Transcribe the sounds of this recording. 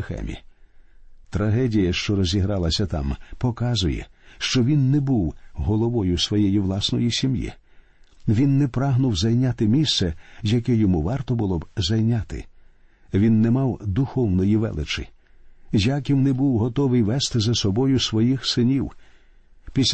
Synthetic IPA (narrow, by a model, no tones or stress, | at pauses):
xɛ̰mʲḭ | t̪ɾɐɦɛdʲijɐʃt͡ʃɔɾɔzʲiɦɾɑlˠɐsʲɐt̪ɑ̰mpɔkɑzʊjɛ̰ʃt͡ʃɔʋʲinːɛbuwɦɔlˠɔʋɔjʊsʋɔjɛjiʋlˠɑsnɔjisʲimjḭ | ʋʲinːɛpɾɑɦnʊwzɐjnʲat̪ɪmʲissɛzjɐkɛjɔmuʋɑrt̪ɔbʊlˠɔbzɐjnʲat̪ɪ̰ | ʋʲinːɛmɑwd̪ʊxɔwnɔjiʋɛ̰lˠɪt͡ʃɪ̰ | jakʲiwnɛbuwɦɔt̪ɔʋɪjʋɛst̪ɪzɐsɔbɔjʊsʋɔjixsɪnʲiw | pʲisʲ